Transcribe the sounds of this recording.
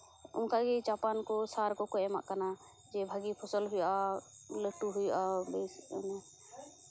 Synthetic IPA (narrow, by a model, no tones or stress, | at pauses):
ṵmkaʔɡid͡ʒapankɔsaɾkɔkɔɛma̰ʔkana | d͡ʒɛbʱaɡipʰɔsɔlɦujaləʈuɦujʔabɛsna